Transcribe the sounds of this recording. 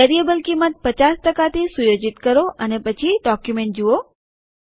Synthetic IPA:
ɛɾiebəlkimət̪̚pət͡ʃast̪əkat̪ʰisujod͡ʒit̪kəɾoʔənepət͡ʃʰiɖɔkjumẽɳʈ̚d͡ʒuo

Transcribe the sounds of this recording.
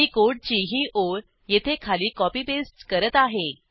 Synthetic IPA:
ikoɽ̚t͡ɕiɦiːʔoɾ | jet̪ʰekʰaliːkɔpiːbesʈkəɾət̪aɦe

